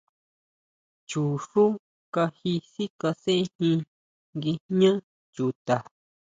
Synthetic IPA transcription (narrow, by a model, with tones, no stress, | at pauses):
t͡ʃu˨ʂu˦ | ka˧hi˧si˦ka˧sẽ˦ʔẽ˦hĩ˧ | ŋɡi˧ɲã˦ | t͡ʃu˧t̪a˨